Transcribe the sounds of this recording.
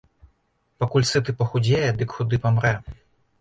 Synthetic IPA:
pakulʲsɨt̪ɨpɐxud͡zʲejɛd̪ɨkxud̪ɨpɐmɾɛ

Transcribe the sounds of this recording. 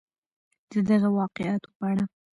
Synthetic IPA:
d̪̥əd̪aɣawɑqɪʔɑt̪o̥paaɽa

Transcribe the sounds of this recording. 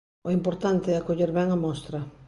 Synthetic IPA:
oimpoɾt̪ant̪eɛakoʎeɾβɛŋamɔst̪ɾɐ

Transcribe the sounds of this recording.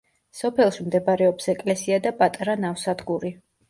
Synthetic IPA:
sɔpʰɛlˠʃmd̪ɛbaɾɛɔpsɛkʼlɛsiad̪apʼat̪ʼɾanafsad̪ɡuɾi

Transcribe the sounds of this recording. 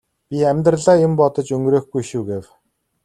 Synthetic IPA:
pʲiæmʲt̪rəɮaːjempɔt̪ɞ̆t͡ɕɵŋɡɾeːxɡujʃuːɡew

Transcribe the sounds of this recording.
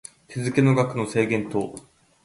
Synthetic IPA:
t̪ʰezɨke̞no̞ɡakɯ̟no̞se̞ːɡẽ̞nt̪o̞ː

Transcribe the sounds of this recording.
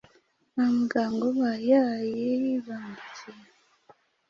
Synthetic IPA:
amuɡaːŋɡoβajajejiβaːndit͡ʃija

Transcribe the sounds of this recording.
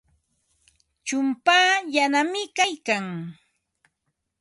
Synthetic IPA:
t͡ʃʊmpaːjanamɪkajkaŋ

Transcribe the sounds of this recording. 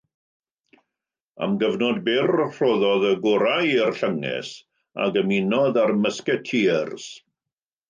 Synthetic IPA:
a̰mɡəvnɔdbɪrr̥oðɔðəɡʊɾajərɬəŋɛ̰s | a̰ɡəminɔðarməskɛtʰirs

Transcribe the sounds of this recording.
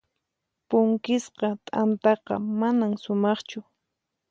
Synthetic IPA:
pʊŋkɪsqɑt̪ʼant̪ɑqɑ̰manamsʊmɑχt͡ʃʊ

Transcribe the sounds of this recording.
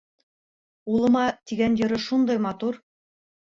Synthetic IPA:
ulˠɤ̆mɑt̪iɡænjɤ̆ɾɤʃund̪ɑjmɑt̪uɾ

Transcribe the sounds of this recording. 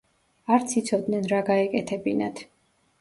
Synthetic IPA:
aɾt̪sʰit̪sʰɔd̪nɛnɾaɡaɛkʼɛt̪ʰɛbinat̪ʰ

